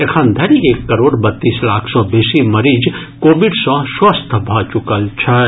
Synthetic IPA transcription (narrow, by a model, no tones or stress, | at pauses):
ekʰãnd̪ʱɐɾiekːəɾoɽbət̪ːislakʰsɔ̃besiməɾid͡ʒ | kobiɖsɔ̃swəst̪ʰbʱɔt͡ʃukəlt͡ʃʰə